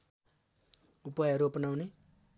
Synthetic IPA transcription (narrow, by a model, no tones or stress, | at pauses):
upʌjɦʌɾuopʌnawne